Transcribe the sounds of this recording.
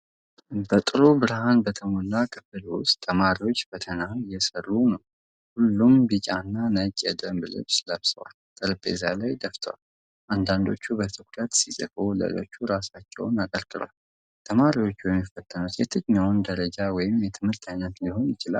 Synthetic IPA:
bət̪ʼɨɾubɨɾɨhanbət̪ʰəmolːakʰɨfɨlwʊst̪ʰːəmaɾiwo̞t͡ʃːfət̪ʰənajɛsərːunəw | hulːumbit͡ʃʼanːanət͡ʃʼːɛd̪əmblɨ̰βsləβsəwa̰lt̪ʼɨɾbḛzalajd̪əft̪ʰə̰wa̰l | ʔand̪and̪o̞̰t͡ʃːubət̪ʰɨkʷʼɾət̪sisʼə̰fo̞lə̰lo̞̰t͡ʃːuɾasat͡ʃːɛ̰wnakʼəɾkʼɨlwal | t̪ʰəmaɾiwo̞t͡ʃːujɛmːjɛfːət̪ʰʼːənut̪jɛt̪ʰɨɲawnd̪əɾəd͡ʒawɔjɪmjɛt̪ʰɨmhɨɾt̪ʰajnət̪ndiɦo̞njɪt͡ʃɪla̰l

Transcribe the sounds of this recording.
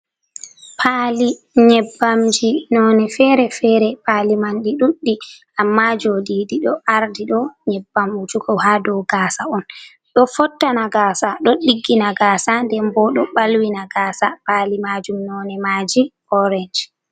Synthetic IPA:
pʰali | ɲɛbːamd͡ʒinɔnɛfɛɾɛfɛɾɛpalimanɗiɗuɗːiʔamːad͡ʒodiɗiɗɔʔaɾdiɗɔɲɛbːamud͡ʒuɡɔwhadɔwɡaːsaɔn | ɗɔfɔtːanaɡaːsaɗɔɗiɡːinaɡaːsandɛmbɔɗɔɓalwinaɡaːsapaːlimaːd͡ʒumnɔnɛmaːd͡ʒi | ɔɾɛnd͡ʒ

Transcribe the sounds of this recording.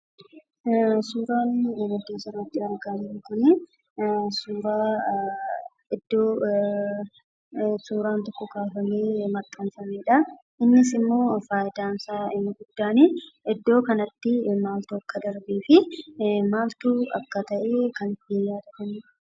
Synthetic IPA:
suːɾaːnmʊd̪ːeːnsɔnɐt̪ːɪɐɾɡaːdɪnɪkʊnɪ | suːɾaː | ɪd̪ːoː | suːɾaːnt̪ɔkːɔkaːfɐmeːmɐkʼːɐnfɐmeːᶑɐ | ʔɪnːɪs̬ɪmːo̞ːfaːjd̪aːnsaːɪɡʊd̪ːaːniɪd̪ːo̞ːkɐnɐt̪ːɪmaːlt̪uɐkːɐd̪ɐɾbiːfɪmaːlt̪uːɐkːɐt̪ɐʔeːkɐnɪt̪ːɪjaːd̪ɐkɐmeːᶑɐ

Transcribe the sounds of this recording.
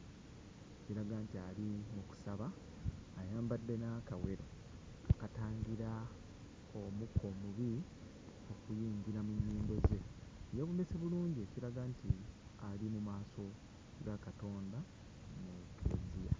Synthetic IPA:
eciɾaɡantialimuku̥saβaː | jaːmbadːe̞nakawe̞ɾo̰ | akataːɲɟiɾa | omukʰːo̞muβi | o̞kujiːɲɟiɾamuɲːiːmbo̞ze̞jeβumeseβuluːɲɟie̞ciɾaɡaːntʰialimumaːso̞ | ɾakato̞ːnda | nukezija̰

